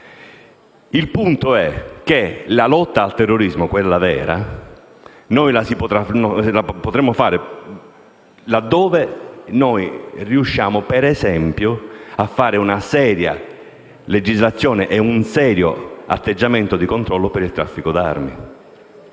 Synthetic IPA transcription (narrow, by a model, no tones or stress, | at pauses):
ilpunt̪oɛk̟elalɔt̪ːaːlt̪ɛrːoɾizmokwelːavɛːɾa̰ | nojlasipot̪ɾanlapot̪ɾemːofaːɾe | lad̪ːɔːvenojriuʃːjaːmopeɾɛzɛmpjoafːaːɾeunasɛːɾja̰ | led͡ʒizlat̪sːjɔːneʔɛunsɛːɾjoa̰t̪ːed͡ʒːament̪od̪ikont̪ɾɔlːopeɾilt̪ɾafːikod̪armḭ